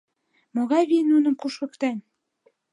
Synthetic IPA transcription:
moɣɑjβinunɤ̆mquʃɤ̆kt̪æn

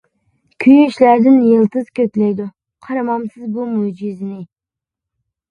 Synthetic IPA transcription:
kʲʰyjʃlæɾd̪ɪnjəlˠt̪ɨzkʲøk̪ʲlɛjd̪u | qʰɑɾɑmɑmsɨzbumud͡ʒiznɪ

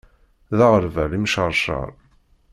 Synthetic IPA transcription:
ðaʁəɾvæɾimʃəɾˤʃə̰ɾˤ

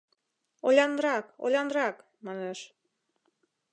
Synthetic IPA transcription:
olʲɑnɾɑko̰lʲɑnɾɑk | mɑneʃ

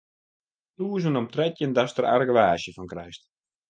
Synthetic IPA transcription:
tuːs̬ənɔmtrɛtjəndastəra̰rɡəʋaːʃjəfɔnkrɛjst

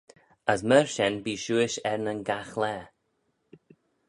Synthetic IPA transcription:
əs̬mɛɹʃɛnbiːʃuːɪʃɛɹnənɡaxlɛː

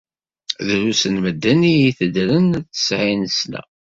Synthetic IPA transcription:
ðɾusənməd̪ːænijiθəd̪ɾənt͡sːə̥sʕinslæ̰

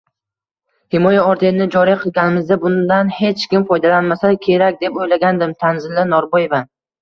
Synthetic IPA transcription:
hɪmɒjaɒɾt̪ʰeɪnɪd͡ʒɒɾiqʰɨlˠɡʲanɪmɪzd̪abʊnd̪anhe̞t͡ʃkʲɪmfɒjd̪alanmasakʲʰe̞ɾakʲd̪e̞pojlaɡʲand̪ɪmt̪ʰanzɪlːɪnɒɾboje̞va

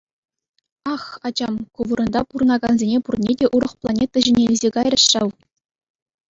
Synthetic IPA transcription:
ɑχɑd͡ʑɑmkuʋɤɾɤ̆nd̪ɑpuɾɤ̆nɑɡɑnzʲenʲepurnʲedʲeʔuɾɤ̆χplˠɑnʲet̪ːɘ̆ʑɘ̆nʲelʲɘzʲeɡɑjrɤ̆ɕɕɑw

